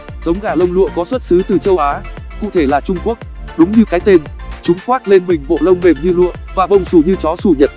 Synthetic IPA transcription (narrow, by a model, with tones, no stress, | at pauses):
z̥ə˨˦wŋ͡mɣaː˧˩lə˧wŋ͡mlṵ˧˨əkɔ˨˦swə˦˥t̚sɨ˨˦t̪ɨ˨˩t͡ɕə˧wʔaː˨˦kṵ˧˨t̪ʰe˧˩laː˨˩t͡ɕʊ˧ŋ͡mku˦˥ək̚ɗʊ˨˦ŋ͡mɲɨ˧kaː˨˦jt̪e˧nt͡ɕʊ˨˦ŋ͡mxwaː˦˥t̚le˧nmï˨˩ŋ̟vo̰˧˨lə˧wŋ͡mme˨˩mɲɨ˧lɨ̰˧˨əvaː˨˩və˨˩wŋ͡msu˧˩ɲɨ˧t͡ɕɔ˨˦su˧˩ɲə˨˩t̚